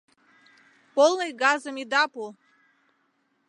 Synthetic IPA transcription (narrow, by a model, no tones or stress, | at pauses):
pɔlˠnajɡazɐmid̪apu